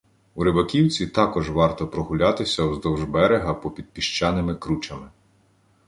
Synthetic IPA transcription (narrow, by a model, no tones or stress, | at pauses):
uɾɪbɐkʲiwt͡sʲit̪ɑkɔʒʋɑrt̪ɔpɾɔɦʊlʲɑt̪ɪsʲɐwzd̪ɔwʒbɛɾeɦɐpɔpʲid̪̚pʲiʃt͡ʃɑnɪmɪkɾut͡ʃɐmɪ